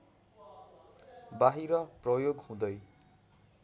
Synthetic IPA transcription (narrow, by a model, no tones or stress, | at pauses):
baɦiɾʌprʌjoɡhũd̪ʌj